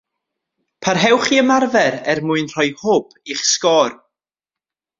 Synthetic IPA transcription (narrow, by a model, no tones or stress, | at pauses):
pʰarɦɛwχiəmarvɛɾɛrmʊɨnr̥ɔjhoːb̥ | iχskɔːr